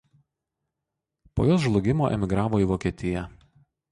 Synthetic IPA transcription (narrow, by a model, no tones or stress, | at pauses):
po̰joːs̬ʒlˠʊɡʲɪmoːʔɛ̰mʲɪɡɾɑːʋoːiˑʋoːkʲiɛt̪ʲɪjɛ